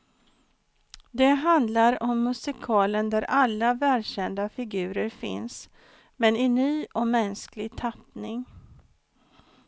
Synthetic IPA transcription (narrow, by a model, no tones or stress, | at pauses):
d̪ɛɦand̪laɾɔmːɵsɪkʰɑːlənd̪æɾʔalːavæːlɕɛnd̪afɪɡʉ̟ːɾəɾfɪ̰ns | mɛnɪnyːʔɔmɛnsklɪɡt̪ʰapnɪŋ